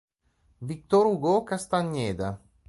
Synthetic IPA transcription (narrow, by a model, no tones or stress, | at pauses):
vik̚t̪oɾuɡokast̪aɲːeːd̪a